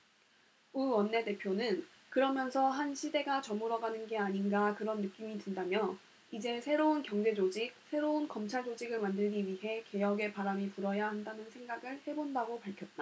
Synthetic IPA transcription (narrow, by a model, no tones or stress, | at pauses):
uwʌnːe̞te̞pʰjonɯn | kɯɾʌmjʌnsʰʌɦanɕʰide̞ɡat͡ɕʌmuɾʌɡanɯnɡe̞aɲinɡakɯɾʌnːɯk͈imidwɯndamjʌ | id͡ʑe̞sʰe̞ɾounkjʌŋd͡ʑe̞d͡ʑod͡ʑik̚sʰe̞ɾounkʌmt͡ɕʰaɭd͡ʑod͡ʑiɡɯɭmandɯɭɡiɥiɦe̞ke̞jʌɡe̞paɾamipuɾʌjahandanɯnsʰe̞ŋɡaɡɯɭhe̞bondaɡopaɭkʰjʌt̚t͈a